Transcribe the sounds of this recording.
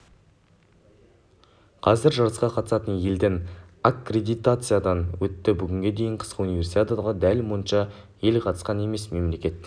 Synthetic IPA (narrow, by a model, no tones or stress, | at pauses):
qʰɑzɪɾʒɑɾəsqɑqʰɑt̪əsɑt̪ənje̞ld̪enakːrʲe̞d̪ijt̪at̪sɨjad̪ɑnwɵt̪ːɪbʏɡʲɪŋɡʲe̞d̪e̞jɪɴqʰə̥squnijvʲe̞rsit̪at̪ʁɑd̪ælwonʃɑ | je̞lqʰɑt̪ə̥sqɑne̞me̞sme̞mle̞kʲe̞t̪